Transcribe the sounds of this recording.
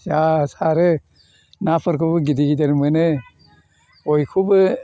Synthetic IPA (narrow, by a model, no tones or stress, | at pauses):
jasaɾɯ | napʰɯɾkʰubɯɡidiɡideɾmɯnɯ | ojkʰubɯ